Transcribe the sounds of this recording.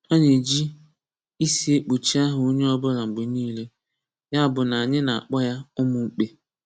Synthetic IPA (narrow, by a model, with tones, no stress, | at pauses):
a˦ɲe˨d͡ʒi˦ | i˦si˨e˦k͡pu˨t͡ʃi˦a˦ɦʊ˨o˦ɲe˦ɔ˦bʊ˦ɾa˨ŋ͡m̩˨ɡ͡bʊ˨ɲiː˦le˦ | ja˦a˨bʊ˨na˨a˨ɲɪ˦na˨a̰˨k͡pɔ˦ja˦ʊ˦mʊ˨ŋ͡m̩˦k͡pe˦